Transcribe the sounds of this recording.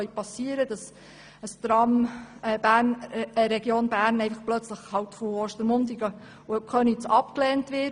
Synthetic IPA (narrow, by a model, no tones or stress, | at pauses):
œjpɑsːiəɾəd̥ɑs | əst̪ɾɑmɛb̥æːɾnɾɛɡ̥joːnbæːɾnɛɪfəχplœt͡sləχhɑwtfɔɔːʃtəɾmʊndiɡə | ʊɛkʰχœnit͡sɑpklɛːntʋɪ